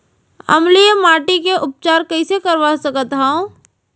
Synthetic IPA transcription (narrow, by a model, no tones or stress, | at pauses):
ɐ̰mlijemaːʈikeʔʊp̚t͡ʃaːɾkɐisekɐɾʋasəkət̪ɦɛõ